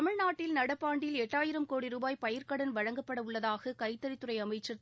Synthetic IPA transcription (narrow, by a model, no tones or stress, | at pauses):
ɐmɪɻnaːʈːɪlnɐɽɐpːaːɳɖjɪlɛʈːaːjɪɾɐmkoːɽiɾuːbaːjpɐjɐɾkɐɽɐnʋɐɻɐŋɡɐpːɐɽɐʊɭːɐðaːɣɐkɐɪt̪ːɐɾɪt̪ːɯɾɐɪɐmɐɪt͡ʃːɐ